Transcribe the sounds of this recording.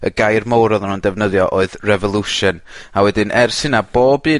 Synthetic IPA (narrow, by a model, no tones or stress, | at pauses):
əɡajrmowɾɔðanundɛvnəðjɔʔoɨðrɛvɔlˠuʃɨnawɛdɪnʔɛrsɪnab̥oːbɨː